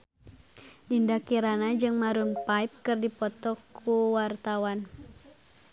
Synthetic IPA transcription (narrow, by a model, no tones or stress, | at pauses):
dindakiɾanad͡ʒɨŋmaɾunpaip̚kɨrdipɔt̪ɔkuwart̪awan